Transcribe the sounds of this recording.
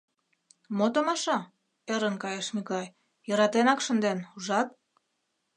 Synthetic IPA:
mot̪omɑʃɑ | eɾənkɑjeʃmikɑj | jɤɾɑt̪enɑkʃənd̪enuʒɑt̪̚

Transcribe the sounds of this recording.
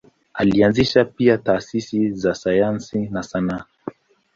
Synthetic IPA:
alianziʃapiataːsisizasajansinasana

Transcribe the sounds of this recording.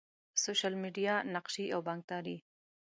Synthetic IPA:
soʃalmiɖijanaqʃiʔawbɑŋk̚t̪ɑɾi

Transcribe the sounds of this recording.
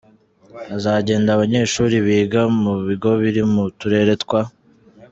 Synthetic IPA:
azaːɟe̞ːndaβaɲe̞ːʃuːɾiβiːɡamuβiɡo̞βiɾimutuɾe̞ɾe̞tkwa

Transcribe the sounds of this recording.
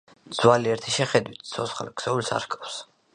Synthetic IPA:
d̪z̥waliɛɾt̪ʰiʃɛχɛd̪wit̪ʰsʰɔsχa̰lɛksɛulsa̰ɾhkʼafs

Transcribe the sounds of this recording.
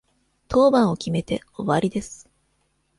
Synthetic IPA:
t̪ʰo̞ːbãɰ̃o̞kʲime̞t̪e̞ | o̞βaɾʲid̪e̞sɨ̥

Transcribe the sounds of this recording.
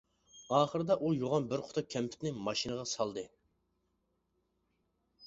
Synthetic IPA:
ɑːχəɾɨd̪ɑʔujoʁɑnbɪɾqʰʊ̥t̪ʰʊkʲʰɛmpʰɪ̥t̪nɪŋmɑʃinɨʁɑsɑlˠd̪ɨ

